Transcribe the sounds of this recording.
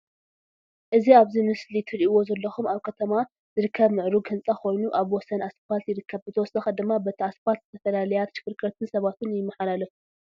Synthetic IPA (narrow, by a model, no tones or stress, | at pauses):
ʔɨziaβzimɨslit̪ʰɨɾiʔiwo̞zɐlːɐxumaβkʰɐt̪ʰɐma | zɨɾɨkʰːɐβmɨʕɾuɡhɨnt͡sʼɐkʰo̞jnuʔaβwɔsɐnasfalt̪jɪɾɨkʰːɐβbɨt̪ʰɐwɔsɐxɐd̪ɨmːabɐt̪ʰiaspat̪zɨt̪ʰɐfɐlalɐjat̪ʃɪ̥kɨɾkɾɐt̪ʰɨnsɐβat̪ʰunjɪmːɐħalalɐfu